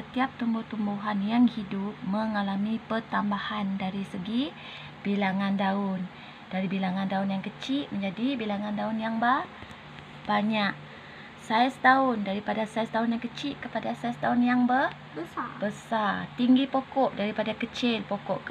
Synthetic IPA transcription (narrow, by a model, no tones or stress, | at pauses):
sət̪iap̚t̪umbʊht̪umbuɦanjaŋhidʊp̚məŋalamipərt̪ambahandaɾisəɡi | b̥ilaŋãndaʊn | d̥aɾibilaŋãndaʊnjaŋkət͡ʃɪʔməɲd͡ʒadibilaŋandaʊnjaŋbər | b̥aɲak̚ | saist̪aʊndaɾipadasaist̪aʊnjaŋkət͡ʃɪʔkəpadasaist̪aʊnjaŋbə | bəsabəsart̪iŋɡipokɔʔdaɾipadakət͡ʃɪlpokɔʔk